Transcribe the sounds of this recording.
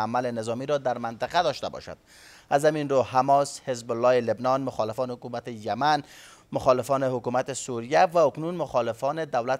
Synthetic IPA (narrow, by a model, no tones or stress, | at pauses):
amalɪnɪzɒmiɾɔd̪aɾmant̪ɪqad̪ɒʃt̪a̰bɒ̰ʃa̰d̪̥̚ | azhaminɾohamɔshɪzbʊlːɒelebnɒnmʊxɒlɪfɒnɪhʊkumat̪ɪjaman | mʊxɒlɪfɔnɪhʊkumat̪ɪsuɾijavaʊknunmʊxɔlɪfɔnɪd̪awlat̪